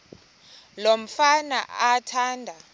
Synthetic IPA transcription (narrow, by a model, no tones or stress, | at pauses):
lom̩fana̰atʰaːndʱa